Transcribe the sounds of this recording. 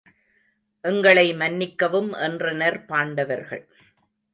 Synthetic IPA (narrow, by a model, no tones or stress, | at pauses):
ʔɛŋɡɐɭɐɪmɐnːɪkːɐʋɯmʔɛndrɐnɐɾpaːɳɖɐʋɐɾɣɐ̰ɭ